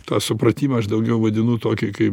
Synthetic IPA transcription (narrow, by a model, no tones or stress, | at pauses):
t̪ɑːsʊpɾɐt̪ʲiːmɐɐʃd̪ɐʊɡʲɛʊʋɐd̪ʲɪnʊt̪oːkʲɪkɐɪ